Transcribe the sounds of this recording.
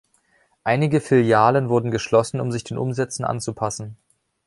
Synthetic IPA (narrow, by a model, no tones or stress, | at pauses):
ʔaɪnɪɡəfɪljaːlənvʊɐdn̩ɡəʃlɔsn̩ʊ̰mzɪçd̥eːnʔʊmzɛt͡sn̩ʔa̰nt͡supʰasn̩